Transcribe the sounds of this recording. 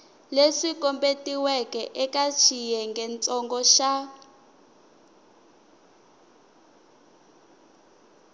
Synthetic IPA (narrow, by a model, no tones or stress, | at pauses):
leʂikɔmbetʼiwɛkʼɛʔɛkʼat͡ʃʰijɛŋɡɛnt͡sʼɔŋɡɔʃa